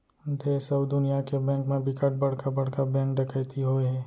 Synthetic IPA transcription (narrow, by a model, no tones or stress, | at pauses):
d̪eːsəbd̪ʊnijakebɛ̃ːŋkmẽbʱɪkəʈ̚bɐɽ̤kabɐɽ̤kabɛ̃ːŋkɖəkʰəjt̪iɦoeɦɛː